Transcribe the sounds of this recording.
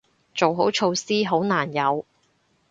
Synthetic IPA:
t͡so˨wɦo˨˥wt͡ʃʰo˧wsiː˥ɦo˨˥wnaː˨˩njɐ˨˧w

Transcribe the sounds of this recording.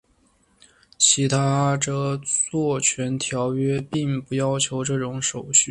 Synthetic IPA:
t͡ɕʰi˧˥t̪ʰa˥ʈ͡ʂɤ˥˧t͡swɔ˥˩t͡ɕʰɥɛ˧˥nt̪ʰjɑ˧˥ʊɥɛ˥pi˥˧ŋpu˥˩jɑ˥ʊt͡ɕʰjo˧˥ʊʈ͡ʂɤ˥˩ʈ͡ʂʊ˧˥ŋʂo˨˩ʊɕy˥˩

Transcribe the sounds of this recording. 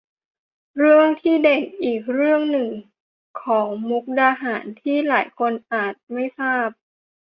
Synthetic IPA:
ɾɯ˥˩əŋt̪ʰiː˥˩de˨˩k̚ʔiː˨˩k̚ɾɯ˥˩əŋnɯ˨˩ŋ | kʰɔː˩˦ŋmu˦˥k̚daː˧ɦaː˩˦nt̪ʰiː˥˩laː˩˦jkʰo˧nʔaː˨˩t̪̚ma˥˩jsaː˥˩p̚

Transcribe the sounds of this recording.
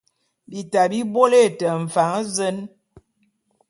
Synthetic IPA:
bi˨ta˨bi˦bo˦le˦˨tə˨ɱ̩˨fa˨˦ŋ˦zə˦n

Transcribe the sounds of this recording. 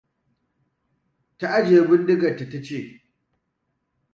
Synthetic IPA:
ta˦ʔa˦d͡ʒeː˨˦bɪ˦ndɪ˦ɡɐ˨rta˨ta˦t͡ʃeː˦˨

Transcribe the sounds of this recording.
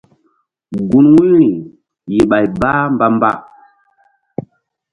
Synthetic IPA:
ɡu˨nwu˦ɾi˨ | ji˨ɓa˨jba˦mba˦mba̰˦

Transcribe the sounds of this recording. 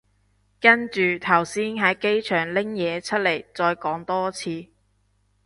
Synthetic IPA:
kɐ˥nt͡ʃyː˨t̪ʰɐ˨˩wsiː˥nɦɐ˨˥jke˥jt͡ʃʰœː˨˩ŋlɪ˥ŋjɛː˨˧t͡sʰɵ˥t̚le˨˩jt͡sɔː˧jkɔː˨˥ŋt̪ɔː˥t͡sʰiː˧

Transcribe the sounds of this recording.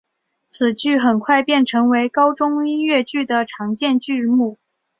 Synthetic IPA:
t͡sʰɹ̩˨˩t͡ɕy˥˩xə˨˩nkʰwa˥˧ɪpjɛ˥˩nʈ͡ʂʰɤ˧˥ŋwe˧˥ɪkɑ˥ʊʈ͡ʂʊ˥ŋi˥nɥɛ˥˧t͡ɕy˥˩d̪ə˩ʈ͡ʂʰɑ˧˥ŋt͡ɕjɛ˥˧nt͡ɕy˥˧mu˥˩

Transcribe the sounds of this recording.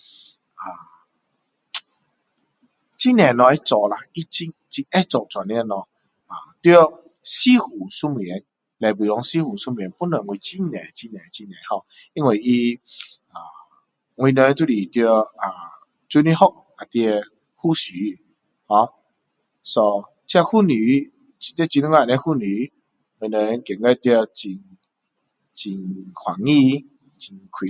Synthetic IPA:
a˨˩ | t͡ɕi˦nɛ̃˨˩nɔ˧ɛ˦t͡sɔ˧˨ʔla˨i˦t͡ɕi˧ŋ | t͡ɕi˧nɛ˦t͡sɔ˨t͡sa˨˩ni˧˦˧nɔ˧ | a˨˩t̪jo˧˦ | si˦hu˨su˦m˨ɛ˨˦n | la˨jbi˨lɔ˧˦ŋsi˦hu˨˩su˦m˨i˨˦npu˦nɔ˨ŋwi˧˦t͡ɕi˦nɛ̃˨˧t͡ɕi˦˧nɛ̃˨t͡ɕi˧nɛ̃˨hɔ˧ | i˧ŋwi˨˩ʔi˧ | a˨˩ | ŋwĩ˧nə˧˦nt̪u˦˧li˨˩t̪jə˧a˨˩ | t͡su˧˦ni˧hɔ˦k̚ka˨˩t̪i˧ | hu˥˧˨ɕy˨˦ | hɔ˧ | sɔ˧ | t͡ɕʰa˥˧hu˥˧˨ny˨˦ | t͡ɕi˨˧t̪jt͡ɕi˧n˦ŋa˧˨nɛ̃˧˦hu˥˧˨ni˨˦ | ŋwĩ˧nə˧nkjɛ˨ŋkɛ˦t̪jə˧t͡ɕi˧n | t͡ɕi˧nkʰwa˨˩ŋi˥˧˨ | t͡ɕi˧nkʰwi˨

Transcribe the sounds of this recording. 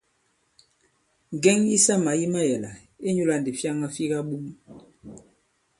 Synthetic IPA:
ŋɡɛ˦ŋji˦sa˦ma˨ji˦ma˦jɛ˨la˨ | e˦ɲu˦la˦˨n˨di˨fja˦ŋa˦fi˦ɣa˦ɓu˦m

